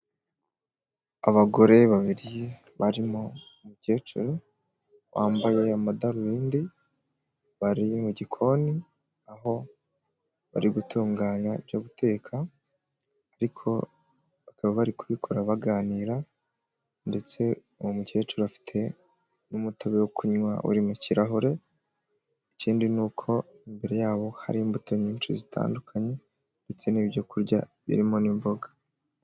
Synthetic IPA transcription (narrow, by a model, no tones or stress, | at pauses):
a̰βaɡo̞ɾe̞βaβiɾije | βaɾimoumuce̞ːt͡ʃuɾo | βa̰ːmbaje̞amadaɾujiːndi | βaɾimuɟikʰo̞ni | aɦo̞ | βa̰ɾiɡutuːŋɡaːɲavjoβutʰe̞ːkʰaː | ɾikʰo̞̰ | βakaβaβaɾikuβikʰo̞ɾaβaɡaːniɾa | nde̞t͡se̞ | uwomuce̞ːt͡ʃuɾafi̥tʰe̞ | numutoβewokuɲwaʔṵɾimuciɾaɦoɾe̞ | iciːndinuːkʰo̞ | imbe̞ɾe̞jaːβo̞ha̰ɾiːmbutoɲɲiːnʃizitʰa̰ːndukʰaɲe̞ | nde̞t͡se̞niββjo̞kuɾɟa̰βḭɾimo̞nimboɡḁ